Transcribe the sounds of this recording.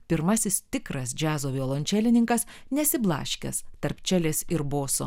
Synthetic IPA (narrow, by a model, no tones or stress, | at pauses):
pʲɪɾmɐsʲɪst̪ʲɪkɾɐsd͡ʒʲæːzoːʋʲioːlˠoːnʲt͡ʃʲæːlʲɪnʲɪŋkɐs | nʲɛsʲɪblˠɑ̰ːʃʲkʲɛ̰st̪ɐɾpʲt͡ʃʲæːlʲeːsɪɾboːso̰ː